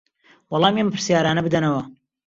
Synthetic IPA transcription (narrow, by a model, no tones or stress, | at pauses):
wɑlˠɑːmjɛmpʰɨɾsjaːɾaːnɐbɨd̪ɐnɐwɐ